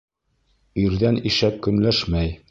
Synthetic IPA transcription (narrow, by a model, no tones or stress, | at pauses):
iɾðæniʃæp̚kɵ̆nlæʃmæj